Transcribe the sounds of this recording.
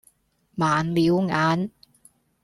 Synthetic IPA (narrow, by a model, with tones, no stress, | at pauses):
maː˨˦nliː˨˦˥wŋaː˨˥n